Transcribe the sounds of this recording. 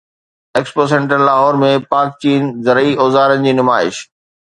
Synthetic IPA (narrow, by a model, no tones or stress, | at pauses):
eːkspoːs̬ẽɳʈənlaːɦɔːɾmẽpaːk̚t͡ɕiːnzɐɾiʔoːzaːɾənɪd͡ʑiːnʊmaːɪʃ